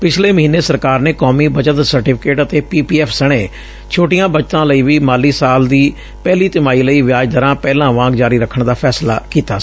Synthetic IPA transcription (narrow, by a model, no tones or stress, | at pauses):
pɪt͡ʃʰleːməɦiːneːsəɾkaːɾneːkɔːmiːbəd͡ʒət̪səɾʈɪpʰɪ̥keːʈət̪eːpiːpiːɛːpʰsəɽ̃eː | t͡ʃʰoːʈɪjãːbət͡ʃt̪ãːləiːʋiːmaːliːsaːld̪iː | pɛːliːt̪ɪmaːiːləiːʋɪjaːd͡ʒd̪əɾãːpɛːlãːʋãːkd͡ʒaːɾiːɾəkʰːəɳd̪aːpʰɛːsla̰ːkiːt̪aː